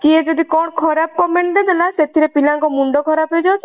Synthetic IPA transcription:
kied͡ʒɔd̪ikɔɽ̃kʰɔɾap̚kɔmeɳʈded̪elaset̪ʰiɾepilaŋkɔmuɳɖɔkʰɔɾaped͡ʒawt͡ʃʰ

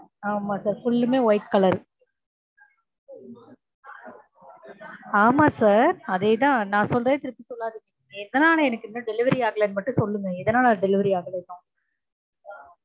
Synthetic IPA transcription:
aːmaːsaːɾfʊɭːɯmeːɔjɪʈkɐlɐɾ | aːmaːsaːɾɐðeːt̪ãːnãːsɔlrɐðeːt̪ɪɾɯpːisɔlːaːðɯ | ɛðɐnaːlɐɛnɐkːɪnːɐɖɛlɪʋɐɾiaːɣɐlɐnmɐʈːɯ̃sɔlːɯŋɐɛðɐnaːlɖɛlɪʋɐɾiaːɣɐlɐkːʊ̃ː

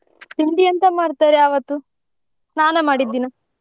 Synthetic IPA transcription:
t̪iɳd̪ijɐnt̪ɐmaːɽt̪aːɾeɐːʋɐt̪ːu | snaːnɐmaːɽid̪ːiːnu

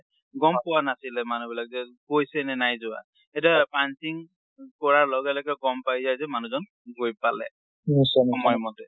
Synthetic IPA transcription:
ɡɔmpʊwanasilɛmanubilak̚zɛɡojsɛnɛnajzʊwa̰ | etapantiŋ | kɔɹaɹlɔɡɛlɛkɛɡɔmpajzajzɛmanuzɔn | ɡojpalɛ̰ | nisɔɔmɔjmɔtɛ

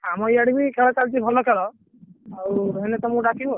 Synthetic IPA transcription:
amɔjaɽibikʰeɭɔt͡ʃalt͡ʃʰibʱɔlɔkʰelɔ | aɾuɦenet̪ɔmũɖakʰiɦu

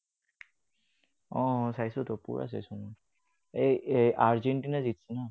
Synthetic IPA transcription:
ɔ̃sajsɔt̪ɔpṵɹʔa̰s̬a̰jsɔmɔ | eeʔaɹzeɳʈinazit̪sina

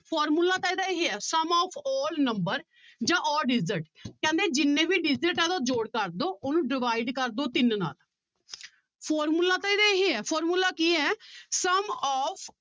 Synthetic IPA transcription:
pʰɔːɾmuːlaːt̪ãːiːd̪aːeɦeːɛːsəmɔːpʰɔːlnəmbəɾ | d͡ʒãːʔɔːɾɖɪzəʈkɛ̃ːnd̪eːd͡ʒɪnːẽːbiːɖɪzəʈɛːd̪aːd͡ʒoːɽkəɾd̪oːʔoːnũːɖɪʋaːɪɖkəɾd̪oːt̪ɪnna̰ːl | pʰɔːɾmuːlaːt̪aːeːd̪aːeɦeːɛːpʰɔːɾmuːlaːkiːɛːsəmɔːpʰ

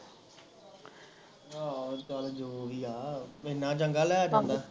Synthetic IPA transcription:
aːkald͡ʒoːʋiːaːɪnːãːt͡ʃəŋɡaːlɛːd͡ʒ̃nd̪aː

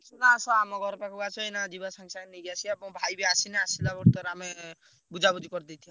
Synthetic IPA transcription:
nasɔamɔɡɔɾɔpakuɡat͡ʃʰɔenad͡ʒibasaŋsaneɡasʰiabɔbʱajbiasinɛasilabɔɾt̪ɔɾame | bud͡ʒabud̪ʱikɔɾd̪it̪ʰijɔ̃

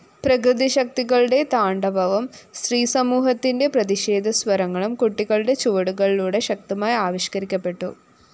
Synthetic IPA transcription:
prɐkɾɨd̪iɕɐk̚t̪iɣɐɭuɽe̞t̪aːɳɖɐbʱɐʋɐmsriːsɐmuːɦɐt̪ːinde̞prɐðiʂe̞ːd̪ʱɐsʋɐɾɐŋːɐɭumkuʈːiɣɐɭɨɽe̞t͡ɕoːɽuɣɐɭiluːɽe̞ɕɐk̚t̪ɐmaːjaːʋɐɕkɐɾikʲːɐpːe̞ʈːṵ

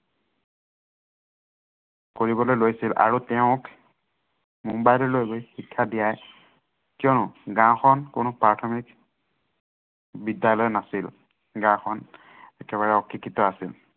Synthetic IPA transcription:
koɹibɔlojlojsila̰ɹutɛʊ̃k | mumbajlɔlojbojxikʰːadijaj | kijɔnʊɡãxʰɔnkʊnʊpɹatʰɔmik | bidjalɔjnasil | ɡãwxʰɔn | ɛkɛβaɹɛɔkːikːitɔasil

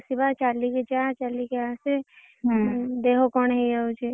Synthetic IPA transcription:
sibat͡ʃaːliket͡ʃat͡ʃalikeaːse | d̪eɦokɔːnɦɛjaud͡ʒe

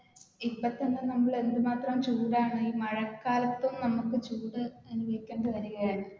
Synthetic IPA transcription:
ipːɐt̪ːenːɨnɐmːɐɭe̞nd̪ɨmaːt̪rɐmt͡ɕuːɽaːɳɨiːmɐɻɐkːaːlɐt̪ːumnɐmukːɨt͡ɕuːɽɨɐnubɐʋikʲːɐːɳɖɨʋɐɾuɣɐjaːɳɨ

